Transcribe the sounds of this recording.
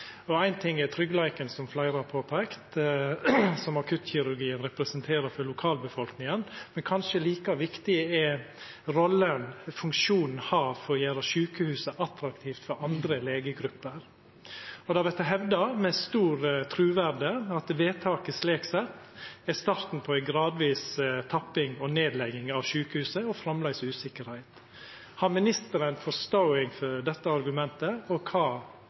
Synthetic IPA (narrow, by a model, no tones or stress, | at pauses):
ɔæɪnt̪ʰɪŋːɛt̪ʰɾʏɡlæɪkənsɔmflæɪɾɑpʰoːpʰæɪkt̪ | sɔmɑkʰʉt̪ːçɪɾʉɾɡiːənɾɛpɾɛsənt̪ʰeːɾəɾfɔɾlʊkʰɑːlbəfɔlknɪŋənmɛnkʰɑnʂəliːkɑʋɪkt̪ɪəɛ | ɾɔlːənfʉŋkʂuːnn̩hɑːfɔɾɔjæːɾəʃʉːkəhʉːsəʔɑt̪ɾɑkt̪ʰiːft̪fɔɾɑnd̪ɾəleːɡəɡɾʉpːəɾ | ɔd̪ɑːʋɛt̪ːəɦɛʋd̪ɑmɛst̪uːɾt̪ʰɾʉːʋæɾɖəɑt̪ʋeːt̪ʰɑːkəsleːksɛt̪ː | æst̪ɑːɾt̪n̩pʰɔæɪɡɾɑːd̪ʋiːst̪ʰɑpːɪŋɔneːd̪lɛɡɪŋɑʋʃʉːkəhʉːsəɔfɾɑmlæɪsʉːsɪkəɾhæɪt̪ | hɑnmɪnɪst̪əɾənfɔst̪oʊɪŋfɔɾd̪ɛt̪ːəɑɾɡʉmɛnt̪əɔkʰɑː